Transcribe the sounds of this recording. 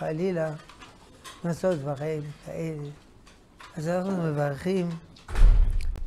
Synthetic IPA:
alila | nasotvaʁaimkʰaʔe̞le | azanaχnumevaʁχim

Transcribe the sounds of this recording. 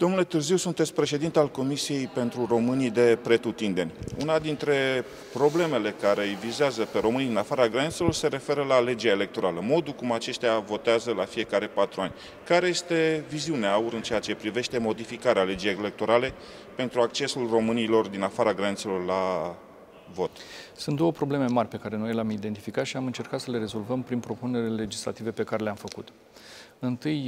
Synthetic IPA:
d̪̥omnule̞t̪ɨrziwsunt̪e̞t̪sʲpɾe̞ʃe̞d̪int̪ealko̞misije̞jpe̞nt̪ɾuro̞mɨnid̪e̞pɾe̞t̪ut̪ind̪e̞nʲṵnad̪int̪ɾe̞ | pɾo̞ble̞me̞le̞kaɾe̞ɨjvizeazəpe̞ɾo̞mɨniinafaɾaɡɾanit̪selo̞rse̞ɾe̞fe̞ɾəlale̞d͡ʒaele̞k̚t̪o̞ɾaləmo̞d̪ulkumat͡ʃe̞ʃt̪ejavo̞t̪eazəlafije̞kaɾe̞pat̪ɾuanʲ | kaɾeje̞st̪e̞viziuneauɾɨnt͡ʃe̞at͡ʃe̞pɾive̞ʃt̪e̞mo̞d̪ifikaɾeale̞d͡ʒejele̞k̚t̪o̞ɾale̞ | pe̞nt̪ɾuak̚t͡ʃe̞sulro̞mɨnilo̞rd̪inafaɾaɡɾanit̪selo̞rla | vo̞t̪sunt̪d̪o̞wopɾo̞ble̞me̞marʲpe̞kaɾe̞no̞jleamid̪e̞nt̪ifikat̪ʃiamɨnt͡ʃe̞rkat̪səle̞ɾe̞zo̞lvəmpɾinpɾo̞pune̞ɾlele̞d͡ʒisla̰t̪ive̞pe̞kaɾe̞leamfəkṵt̪ | ɨnt̪ɨj

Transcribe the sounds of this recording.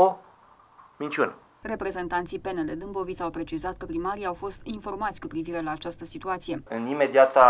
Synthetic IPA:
o | mint͡ʃiune | re̞pɾe̞ze̞nt̪ant̪sipe̞neled̪ɨmbo̞vit̪sʲawpɾe̞t͡ʃizat̪̚kəpɾimaɾiawfo̞st̪info̞rmat̪sʲkupɾiviɾe̞laːt͡ʃast̪əsit̪uat̪sije̞ɨnime̞d̪iat̪a

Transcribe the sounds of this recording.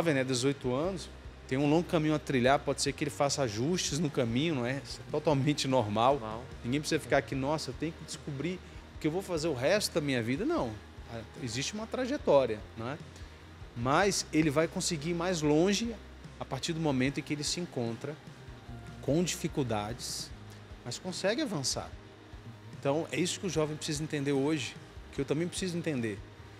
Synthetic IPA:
ɔvẽj̃nɛd̪ezojt̪ʊɐ̃nʊs | t̪ẽj̃ũlõɡʊkɐ̃mĩɲʊat̪ɾiʎaɾpɔd͡ʒɪ̥seɾkɪelɪfasaʒuʃt͡ʃɪznʊkɐ̃mĩɲʊnɐ̃w̃ɛsɛt̪ot̪awmẽnt͡ʃɪnoɾmawwnĩɡẽj̃pɾɪsizɐfi̥kaɾakinɔsɐewt̪ẽj̃ʊkɪd͡ʒɪskubɾiʊkɪeewvowfazeɾʊɦɛst̪ʊd̪ɐmĩɲɐvid̪ɐnɐ̃w̃ | aeziʃt͡ʃɪũmɐt̪ɾaʒet̪ɔɾiɐñɛ | mɐselɪvajkõsɪɡiɾmajzlõʒɪ | apaɾt͡ʃiɾd̪ʊmomẽt̪ʊ̃ẽkɪelɪsɪẽkõnt̪ɾɐ | kõw̃d͡ʒifikuwd̪ad͡ʒɪs | mɐskõsɛɡɪavɐ̃sa̰ɾ | ẽt̪ɐ̃w̃ɛisʊ̥kɪʊʒɔvẽpɾɪ̥sizɐẽnt̪ẽnd̪eɾoʒɪʊkɪewt̪ɐ̃mbẽj̃pɾɪsizʊẽnt̪ẽnd̪eɾ

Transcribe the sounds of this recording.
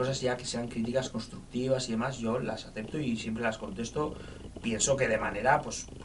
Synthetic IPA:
osazʝake̞se̞aŋkɾit̪̬ikasko̞nst̪ɾuk̚t̪iβ̞asiðe̞mazʝo̞la̰saθe̞p̚t̪oisjempɾe̞lasko̞nt̪e̞st̪o̞ | pje̞nso̞ke̞ð̞e̞mane̞ɾapwes

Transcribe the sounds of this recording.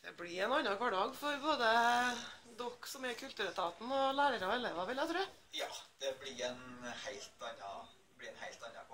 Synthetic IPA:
d̪̥ɛblɪɾɛnɑnːɑkʰʋɑɖɑːɡfɔɾboːd̪ə | d̪ɔkːsɔmɛkʰʉlt̪ʉːɾət̪ʰɑːt̪n̩ɔlæːɾəɾəɔɛleːʋɑʋɪljæt̪ʰɾʉː | jɑːd̪̥ɛblɪɾɛnhæɪlt̪ɑnːɑ | blɪɛnhæɪlt̪ɑnːɑ̰k

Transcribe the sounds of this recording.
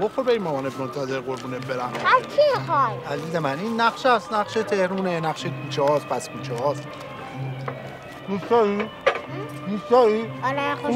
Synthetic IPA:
boxoɾbeinmɒmɒːneb̚mont̪ʰæzeɾɣoɾbuːneb̚be̞ɾæmæzkʰiexɒːjæziːzemæniːnːæχʃæsnæχʃet̪ʰehɾuːnenæχʃekʰuːt͡ʃʰɛhɒːspʰæskʰuːt͡ʃʰɛɦɒːs | d̪ust̪ɒːi | d̪ust̪ɒːil

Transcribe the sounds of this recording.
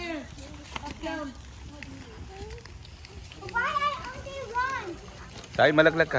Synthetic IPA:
wajajõʊ̃nliwɔ̃nt | saimələklakːa

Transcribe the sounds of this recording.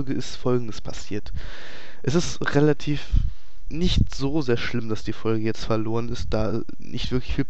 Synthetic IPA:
lɡəɪstfɔlɡŋ̩dəspʰasiːɐt | ʔɛsɪstʁelatʰiːf | nɪçtz̥oːzeːɐʃlɪmd̥asd̥iːfɔlɡəjɛt͡stfɛɐloːʁ̞ənɪstd̥aː | nɪ̰çtv̥ɪɐklɪçfiːlp

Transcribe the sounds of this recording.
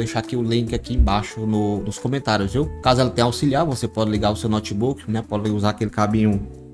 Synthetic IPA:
d̪eʃakiʊlĩkɪakiẽj̃baʃʊnʊnʊskõmẽnt̪aɾjʊzviwkazʊɛlɐt̪ẽj̃awsiliaɾvosepɔd͡ʒɪliɡaʊsewnɔt͡ʃibukɪnɛpɔd͡ʒɪuzaakelɪkabĩɲũ

